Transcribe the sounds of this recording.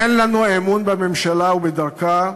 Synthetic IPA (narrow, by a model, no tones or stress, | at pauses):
enlanuemunbememʃalaubed̪aʁka